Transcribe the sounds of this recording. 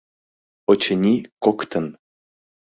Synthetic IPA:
ot͡ɕənʲikokt̪ə̆n

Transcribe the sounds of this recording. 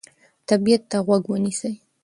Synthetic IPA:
t̪abijat̪ːaɣwaɡwənisəj

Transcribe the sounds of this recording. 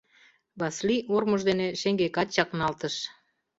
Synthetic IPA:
bɑsliʔorməʒd̪eneʃeŋɡekɑt͡ɕɑknɑlt̪əʃ

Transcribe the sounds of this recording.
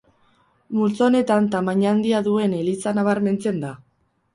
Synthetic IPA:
mult͡sone̞t̪ant̪amaɲand̪iaðue̞nelit͡sanaβ̞aɾme̞nt͡se̞nd̪a

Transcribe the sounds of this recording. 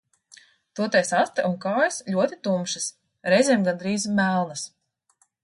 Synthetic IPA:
t̪uɔt̪ɛjsast̪aʔunkaːjasʎʲuɔt̪it̪umʃis | ɾɛjzʲeɛmɡand̪ɾiːzmælˠnas

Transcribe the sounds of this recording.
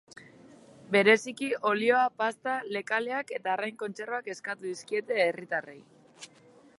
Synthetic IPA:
be̞ɾe̞sikio̞lio̞apast̪ale̞kale̞ake̞t̪aɾajŋko̞nt͡se̞roake̞skat̪uðiskie̞t̪e̞ːrit̪arej

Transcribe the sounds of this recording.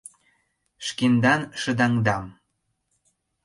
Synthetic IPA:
ʃkend̪ɑnʃə̆d̪ɑŋd̪ɑm

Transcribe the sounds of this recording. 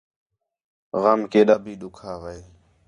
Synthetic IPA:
ɣaːmkeːɗaːbʱiːɗʊkʰaːʋəeː

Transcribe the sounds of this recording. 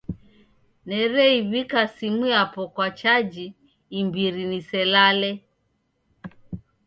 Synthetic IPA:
nɛɾɛiβikasimujapɔkwat͡ʃad͡ʒiː | mbiɾinisɛlalɛ

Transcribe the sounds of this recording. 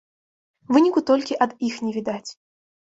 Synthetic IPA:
vɨnʲikut̪ɔlʲkʲiʔɐd̪ixnʲɛvʲid̪at͡sʲ

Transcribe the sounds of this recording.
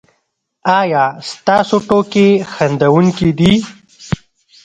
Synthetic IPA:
ɑjɑst̪ɑːsoʈokexand̪awuŋkid̪i

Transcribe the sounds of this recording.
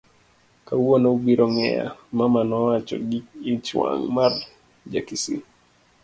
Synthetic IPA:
kauonaubiɾʔɔŋɛ̰ja̰mamanɔwat͡ʃɔ̰ɡiit͡ʃwa̰ŋmar | d͡ʒakisḭ

